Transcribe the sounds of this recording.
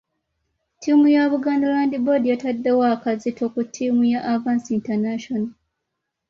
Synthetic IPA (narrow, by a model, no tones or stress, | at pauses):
timujaβuɡaːndalaːndibo̞dijatadːe̞wakazito̞kutʰːiːmujaʔːvaːnsintanaʃona